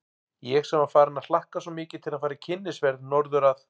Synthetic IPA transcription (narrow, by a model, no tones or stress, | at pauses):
jɛɣsɛmaɾfaːɾɪnaðl̥ahkasɔmɪːcɪt̪ʰɪlaðfaːɾacʰɪnːɪsvɛɾðnɔɾðʏɾaθ